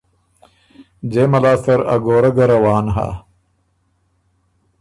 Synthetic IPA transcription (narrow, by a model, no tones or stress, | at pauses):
d͡ʑeːmɐlaːsɐɾɐ̰ɡoːɾɐɡɐɾɐwaːnɦa̰ː